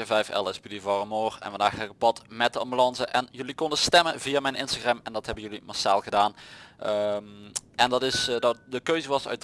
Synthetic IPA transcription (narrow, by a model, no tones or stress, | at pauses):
əvɛjfɛ̰lˠɛsbydivɑrəmoːrɛ̰nʋəndaːxələkəbɑtmɛt̚dəɑmbylɑnzəʔɛnjɵlikɔndəstɛmənvijaːmɛjnɪnstaɣrɛmɛndɑtɦɛbənjɵlimɑɹsaːlˠɣədaːn | ʔɛndɑtɪsdtdəkøɥzəʋɑsœ̰ɥt